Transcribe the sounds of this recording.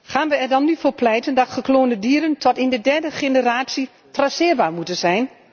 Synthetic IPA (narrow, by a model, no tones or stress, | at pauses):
xaːnʋəɛrdɔnːyfoːpʰlɛjtəndɔtχəkloːndədiəɾəntʰɔtɪndədɛrdəxenəraːt͡si | trasɪərbaːɹmutənzɛjn